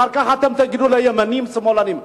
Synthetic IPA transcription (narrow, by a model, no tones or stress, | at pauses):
arkaɦat̪əmt̪əɡidulajəmənimsəmolanim